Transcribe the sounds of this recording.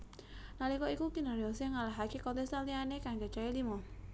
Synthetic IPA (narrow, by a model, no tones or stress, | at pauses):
nalikɔikukinaɾiɔseŋalaɦakekɔnt̪ɛst̪anlianekaŋd͡ʒat͡ʃailimɔ